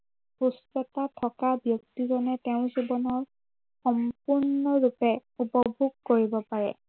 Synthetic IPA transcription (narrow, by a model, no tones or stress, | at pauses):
pustɔtatʰɔkabjɔk̚tizɔnɛtɛʊ̃zibɔnɔɹ | xɔmpuɹnɔɹupɛupɔbʱuɡ̚koɹibɔpaɹɛ̰